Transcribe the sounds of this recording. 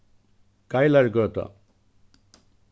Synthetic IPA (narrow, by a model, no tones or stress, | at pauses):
kajlaɾɡʌɾt̪ʌ̰